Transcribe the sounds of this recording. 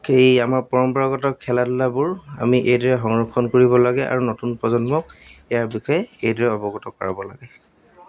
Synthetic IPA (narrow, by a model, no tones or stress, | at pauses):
xejamaɹpɔɹɔmpɔɹaɡɔtɔkʰːɛladʊlabʊɹa̰miʔejdɔɹɛxɔŋɹɔkʰːɔnkoɹibɔlaɡɛʔa̰ɹunotunpɹɔzɔnmɔk̚ɛjaɹbixɔjɛejdɔɹɛɔbɔɡɔtɔkɔɹa̰bɔla̰ɡɛ